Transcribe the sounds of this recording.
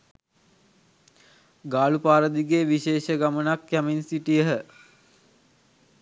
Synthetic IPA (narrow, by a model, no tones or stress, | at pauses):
ɡaːlupaːɾəd̪iɡeʋiʃeːʃəɡamənakjaminsiʈijəɦə